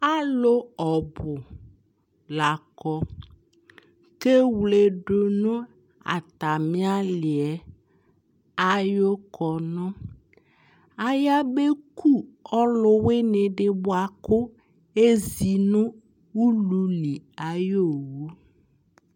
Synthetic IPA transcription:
a˦lʊ˦ɔ˨bʊ˨ | la˨kɔ˨ | ke˦wle˨ɖʊ˨nʊ˦ | a̰˨ta˨mɪ˦a˦lɪ˨ɛ˨ | a˦jo˦kʰɔ˨nɔ˦ | a˨ja˦be˦kʰu˦˨ɔ˦lʊ˦wɪ˦nɪ˨ɖɪ˨bʊ˦a˨kʊ˦ | e˦zi˨nʊ˦ | u˦lu˨˦li˨a˨jo˦˨wu˦

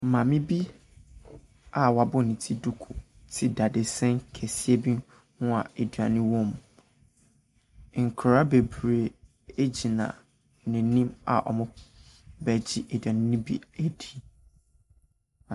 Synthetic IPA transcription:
mã˨mɪ̃˦bi˦ | a˨wa˨bʊ˦nĩ˨tʰi˦du˦kʰʊ˨ | tʰɪ˦da˨dɪ˨sɛ̃˦ŋ˦kʰɛ˨si˦e˦bi˦ | hʊ̃˦a˨e˨dɥa˨nɪ̃˦wɔ̃˦m˨ | ŋ̩˨kʰɾa˦be˨bɾe˨ | e˦d͡ʑi˨nã̰˨ | nɪ̃˨˦nĩ˦ma̰˨ʔɔ̰˨mʊ̃˦bæ˨d͡ʑi˦ʔe˨da˨nɪ̃˦nĩ˦bḭ˦æ˨di˨

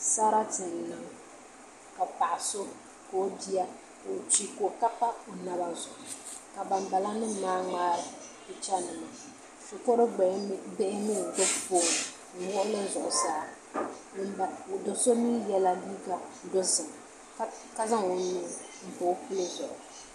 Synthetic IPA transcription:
sa˦ɾa˦tɨ˨n˨nɨ˨ŋ˦˨ | ka˨pa˨ʔa˨so˦ | ka˨o˦bi˦a˦˨ | o˨t͡ʃi˦ko˨ka˦pa˦o˨na˦βa˦zʊ˨ʔʊ˨ka˨ba˨m˦ba˨la˦nɨ˦m˦maː˦ŋ͡maː˦ɾɨ˨bɨ˨t͡ʃa˦nɨ˨ma˨ | so˨pɔ˦ɾɨ˦˨˦bɛ˦ʔɪ˦mi˦˨do˦poː˦˨n˨ | ŋ̩˨wʊ˦ʔʊ˦lɨ˦zʊ˨ʔʊ˨saː˦˨ | a˨do˨so˦miː˦jɛ˦la˦li˦ɡa˨˦dɔ˦zɨ˨m˨˦ | ka˦za˦ŋo˨nuː˦˨ | m̩˨po˨˦pɨ˦lo˦dʊ˨ʔʊ˨

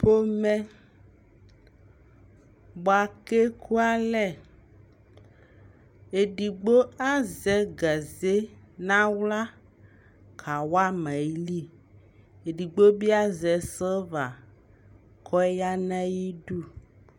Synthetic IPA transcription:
po˦mɛ̃˦ | bo˨a˨ke˦ku˦a˦lɛ˨ | e˨ɖi˨ɡ͡bo˦a˦zɛ˨ɡa˨ze˦nã˦wla˦ | kʰa˨wa˦mɛ̃˨jli˦ | e˨ɖi˨ɡ͡bo˦bi˦a˦zɛ˨sə˦va˨ | kʰɔ˦ja˦nɛ̃˦ji˦ɖu˦

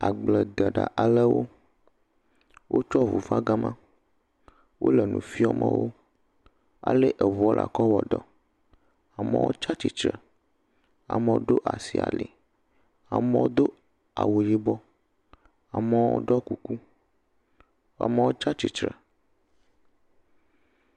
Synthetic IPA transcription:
a˨ɡ͡blɛ˨d̪ɛ˨ɖa̰˨ʔa˨le˦wo˦ | wʔo˦t͡ʃɔ˦vu˨va˦ɡa˦mã˦ | wʔo̰˦lɛ˨nṵ̃˨fi˦ɔ˦mə̰̃˦˨wo˦ | a̰˨le˦ʔe˨vɔ˦lʔa̰˨kɔ˦wɔ˨ɖ̪ɔ˦ | a˨mɛ̰̃˦wo˦t͡ʃa˦t͡ʃi˨t͡ʃɾə˨ | a̰˨mẽ˦wo˦ɖo˦ʔa˨si˨a̰˨le˨ | a˨mẽ˦wo˦d̪o˦ | a˨wo˨ji˦bɔ˦ | a˨mɛ̃˦wo̰˦ɖɔ˦ku˨ku˦ | a̰˨mẽ˦wo˦t͡ʃa˦t͡ɕi˨t͡ʃɾɛ˨

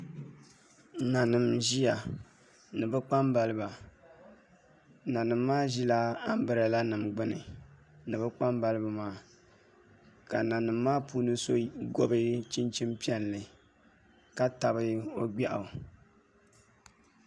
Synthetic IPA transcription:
na˨nɨ˨mʒi˦ja˨ | nɨ˨bɨ˦k͡pa˦mba˨lɨ˦ba˨ | na˨nɨ˨mːaː˦ʒi˦la˦a˦m˦bɨ˨ɾɨ˨la˦nɨ˨mɡ͡bɨ˦nɨ̰˨ | nɨ˨bɨ˦k͡pa˦mba˦lɨ˦ba˨maː˨˦˨ | ka˨na˨nɨ˨mːaː˦puː˦nɨ˦so˦ɡo˦bɨ˦t͡ʃi˦nt͡ʃi˦mpi˦ɛ˦nlɨ˨ | ka˦ta˨bɨ˦o˦ɡ͡bɛ˦ʔa˨

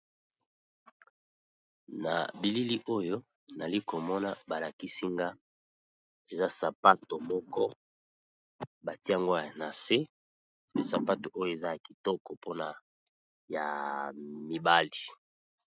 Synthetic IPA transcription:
na̰˨bi˨li˦li˦ʔo˦jo˦ | na˨li˦ko˨mɔ˦na˨ba˨la˨ki˦si˦ŋɡa˦ | e˨za˦sa˨pa˦to˨mɔ˦kɔ˦ | ba˨ti˦a˨ŋɡo˦ja˨na˨se˦˨ | pe˦sa˨pa˦to˨ʔo˦jo˨e˨za˦ja˨ki˨tɔ˦kɔ˨po˦na˨ | ja˨ | mi˨ba˦li˨

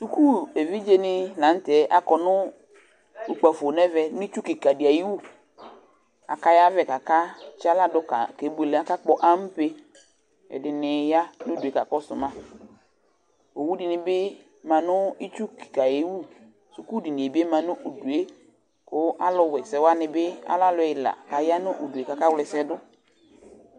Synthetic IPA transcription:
su˨ku˦e˨vi˦d͡ʒe˦nɪ˦lã˨˦n˦tɛ˨˦ʔa˦kɔ˨nʊ̃˦ | u˨k͡pa˨fo˨nɛ˦vɛ˨nʊ̃˦i˦t͡ʃu˦ki˨ka˨di˨a˨ji˦wu˦ | a̰˨ka˦ja˦vɛ˨ka˨ka˦t͡ʃa˦la˦dʊ˦ka˨ke˨˦bu˦e˨le˨a˦ka˦k͡pɔ˦ʔa˦m̩˦pe˦ | ɛ̰˨dɪ˨nɪ˨ja˦nʊ˦du˨e˨˦ka˨kɔ˦sʊ˨mã˦ | o˨wu˦di˨nɪ˨bɪ˦ | mã˨nʊ˦i˦t͡ʃu˦ki̥˨ka˨je˨˦wu˦˨ | su˨ku˦di˨nɪ˨e˨be˦mã˨nʊ˦ʔo˨du˨e˦ | kʊ˦ʔa˦lʊ˦wɛ˨sɛ˨wa˦nɪ˨bɪ˦a̰˦la˦lʊ˨˦ɛ˨ɪ˨la̰˨ka˨ja˦nʊ˦ʔo˨du˨e˨ka˨ka˦wlɛ˨sɛ˦dʊ˦

